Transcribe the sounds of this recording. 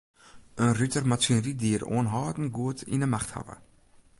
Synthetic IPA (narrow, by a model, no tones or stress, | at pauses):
ənrytərmasənəɾidiəɾo̰ːnɦɑːdn̩ɡuətʰḭnəmaχtha̰və̰